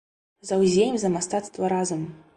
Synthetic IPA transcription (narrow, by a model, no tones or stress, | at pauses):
zawzʲejimzɐmast̪at̪st̪vɐɾazɨm